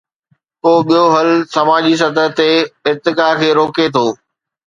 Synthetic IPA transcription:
poːɓijoɦɐlsɐmaːd͡ʑis̬ɐt̪əɦt̪eɪɾt̪ɪkaːkʰeːɾoːket̪ʰoː

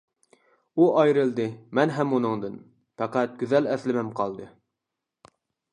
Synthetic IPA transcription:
uʔɑjɾɨlˠd̪ɨmɛnɦɛmːunɨŋd̪ɨn | fæqæt̪̚ɡʲyzɛlɛθlɪmɛmqʰɑlˠd̪ɨ

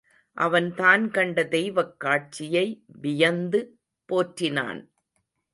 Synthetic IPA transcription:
ʔɐʋɐnt̪aːnkɐɳɖɐd̪ɛjʋɐkːaːʈ̚t͡ʃɪjɐɪʋɪjɐnd̪ɯ | poːʈrɪna̰ːn

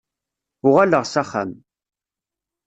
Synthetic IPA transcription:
ʊʁaləʁsaχæ̰m

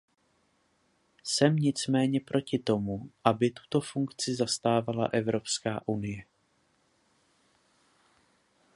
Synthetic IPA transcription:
sɛmɲɪt͡smɛːɲɛpɾʔo̞cɪt̪o̞muʔabɪt̪u̥t̪o̞fuŋkt͡sɪzast̪aːvala̰ʔɛvɾo̞pskaːʔunɪjɛ

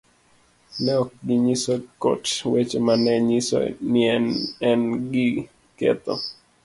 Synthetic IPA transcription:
nɛɔk̚ɡiɲisoko̰twet͡ʃomanɛɲisɔ̰nɪɛnɛnɡi | kḛt̪ɔ̰

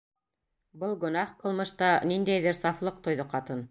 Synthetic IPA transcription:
bɤlˠɡɵ̆nɑhqɤ̆lˠmɤ̆ʃt̪ɑnind̪æjðɘɾsɑflˠɤq̚t̪ŏjðɤqɑt̪ɤn

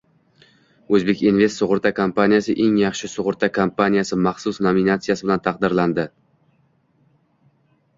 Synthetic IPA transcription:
ɵzbe̞kʲinve̞st̪sʊʁʊɾt̪ʰakʰompanijasɪʔe̞ŋjɑχʃɪsʊʁʊɾt̪ʰakʰompanijasɪmɑχsʊsnominat̪sijasɪbɪlant̪ʰɑqd̪ɪɾland̪ɪ

